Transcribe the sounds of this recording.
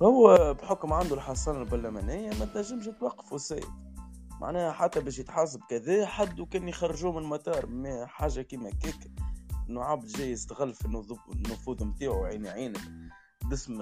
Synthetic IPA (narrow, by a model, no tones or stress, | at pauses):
hʊwːbħʊkmʕand̪ulħɑsˤɑːnalbɑɾˤlæmænɪjːamæt̪næʒːɪmʃɪt̪wɑqːɑ̥fusæ̰ːj̰ | mʔa̰ʕnæːhħat̪ːæbɛːʃ̬jɪt̪ħɑs̬ˤɑb̚kæðɛːħad̪ːukɛːnjxɑrːʒuːmɪnmɑt̪ɑːɾˤmɛħaːʒakiːmækikʔʔɪnːuʕabd̪ʒæːjːəzt̪ɣælːfɪnːðnːʊfuːðˤmt̪aːʕuʕiːniʕiːn | bɪsm